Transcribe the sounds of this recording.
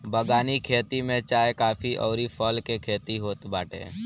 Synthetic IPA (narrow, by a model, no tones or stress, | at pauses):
bəɡaːnikʰeːt̪imẽt͡ʃaːekaːpʰiʔɔ̰ːɾipʰɔːlkekʰeːt̪iɦoːt̪baːʈḛː